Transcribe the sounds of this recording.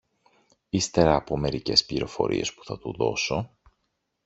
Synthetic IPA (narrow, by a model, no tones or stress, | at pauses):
ist̪e̞ɾɐːpo̞me̞ɾice̞spliɾo̞fo̞̰ɾʔḭe̞spu̥θɐt̪uðo̞so̞